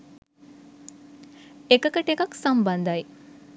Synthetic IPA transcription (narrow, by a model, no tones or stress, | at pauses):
ekəkəʈekɐksɐmbɐnd̪ɐj